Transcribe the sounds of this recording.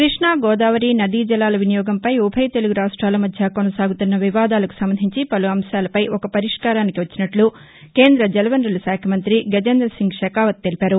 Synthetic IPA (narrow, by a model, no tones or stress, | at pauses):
kɾiʂɳaːɡɔːd̪aːʋɐɾinɐd̪id͡ʒɐlaːlɐʋinijɔːɡɐmpɐjɔbʰʱɐjɐt̪e̞luɡuɾaːʂʈɾaːlɐmɐd̪ʱjɐkonɐsaːɡut̪unːɐʋiʋaːd̪aːlɐku̥sɐmbɐnd̪ʱiɲt͡ʃipɐluɐmʃaːlɐpɐjʔɔkɐpɐɾiʂkaːɾaːnikiʋɐt͡ʃːinɐʈlu | ke̞ːnd̪ɾɐd͡ʒɛlɐʋɐnɾɐlɐsaːkʰɐmɐnt̪ɾiɡɐd͡ʒend̪ɾɐsiŋɡʂɛkaːʋɐt̪̚ːe̞lipaːɾu